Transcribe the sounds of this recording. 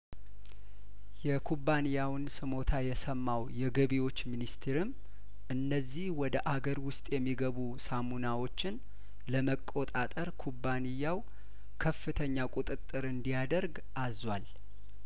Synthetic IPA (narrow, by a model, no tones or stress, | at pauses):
jɛkʰubːanijawɨnsɨmo̞t̪ʰajɛsəmːawjɛɡəβiwo̞t͡ʃːminist̪ʰeɾɨm | ʔɨnːəzːihwɔd̪əʔaɡəɾwʊst̪ʼjɛmːiɡəβusamunawo̞t͡ʃːɪn | ləməkʼːo̞t̪ʼat̪ʼəɾkʰubːanijːaw | kʰəfːɨt̪ʰəɲːakʼut̪ʼɨt̪ʼːɨɾɨnd̪ijad̪əɾɡ | ʔazwal